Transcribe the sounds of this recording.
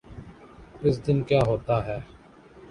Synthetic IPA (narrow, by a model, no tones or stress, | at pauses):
ɪs̬d̪ɪnkjaːɦoːt̪aːɦɛː